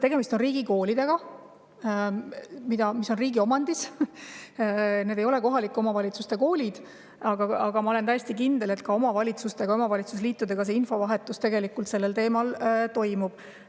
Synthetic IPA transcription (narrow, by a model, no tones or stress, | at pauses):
t̪e̞ɡ̥e̞mist̪o̞nriːɡ̥iko̞ːlid̪̥e̞ɡ̥ɑ | mid̪̥ɑmisːo̞nriːɡio̞mɑnd̪is | ne̞d̪ejo̞le̞ko̞ɦɑlikːˑo̞mɑvɑlʲit̪sust̪e̞ko̞ːlʲid̪̥ | ɑɡ̥ɑɑɡ̥ɑmɑo̞let̪æjest̪ikind̪̥e̞le̞t̪kɑo̞mɑvɑlʲit̪sust̪e̞ɡɑo̞mɑvɑlʲit̪susliːt̪ːˑud̪e̞ɡ̥ɑs̬e̞info̞vɑɦe̞t̪ːˑust̪e̞ɡe̞likːˑult̪se̞lːe̞lt̪e̞ːmɑlt̪o̞jmub̥